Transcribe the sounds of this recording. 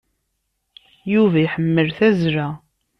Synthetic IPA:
juvæjħəmːəlθæzɾæ

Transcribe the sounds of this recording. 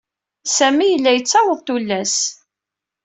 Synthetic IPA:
sæmijəlːæjət͡sːæwəðˤt̪ulːæs

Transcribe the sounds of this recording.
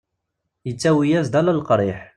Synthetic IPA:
jət͡sːæwijæzd̪ælælqɾˤɪħ

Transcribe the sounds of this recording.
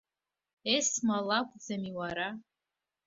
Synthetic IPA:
esmalakʷʼd͡zamiwaɾa

